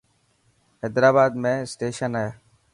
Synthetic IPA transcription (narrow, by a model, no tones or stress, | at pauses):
eːd̪ɾaːbaːd̪mẽːsʈeːʃənaːeː